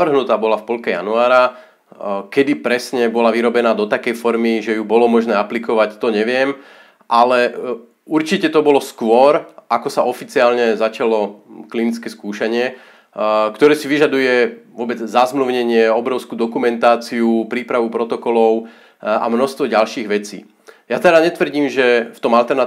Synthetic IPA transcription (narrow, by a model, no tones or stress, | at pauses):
ʋr̩ɦnut̪aːbɔlafpɔʎkɛja̰nuaːɾa | kɛd̪ipɾɛsɲɛbɔlaʋiɾɔbɛnaːd̪ɔt̪akɛjfɔɾmiʒɛjubɔlɔmɔʒnɛːaplikɔʋact̪ɔɲɛʋɪɛm | ʔalɛ | uɾt͡ʃicɛt̪ɔbɔlɔskʋʊɔɾʔakɔsaʔɔfit͡siaːlɲɛzat͡ʃalɔklinit͡skɛskuːʃaɲɪɛ | kt̪ɔɾɛːsiʋiʒad̪ujɛʋʊɔbɛd͡zzazmluːɲɛɲɪɛɔbɾɔʊskuːd̪ɔkumɛnt̪aːt͡siupɾiːpɾaʋupɾɔt̪ɔkɔlɔʊ | a̰mnɔst̪ʋɔɟalʃiːɣʋɛt͡sḭː | jat̪ɛd̪aɲɛt̪ʋr̩ɟiːmʒɛft̪ɔmalt̪ɛɾna